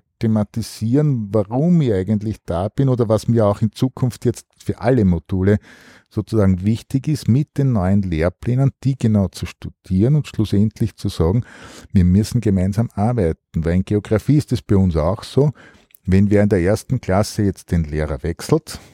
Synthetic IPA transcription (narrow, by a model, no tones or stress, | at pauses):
tʰematisiːʁnvaʁʊmɪçæɪɡənt̪lɪçd̥aːb̥ɪnoːdɐvasmiːɐɑʊxɪnt͡suːkʰʊnftjɛt͡stfyːɐʔaləmod̥uːlə | soːt͡susaːɡŋ̩vɪçtɪçɪstmɪt̚d̥enːɔʏənleːɐpleːnənd̥iːɡ̥enaʊt͡suʃtud̥iːʁənʊntʃlʊsɛntʰlɪçt͡suzaːɡŋ̩viːɐmʏsn̩ɡemæɪnzamaɐbæɪtn̩væɪlɪnɡ̥eoɡ̥ʁafiːɪstɛsb̥æɪʊnsa̰ʊxsoː | vɛnviːɐɪndeɐʔeːɐstn̩kʰlasəjɛt͡st̚d̥enleːʁɐvɛksl̩t